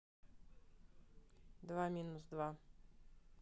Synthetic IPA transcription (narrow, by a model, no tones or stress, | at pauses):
d̪vamʲinuzd̪va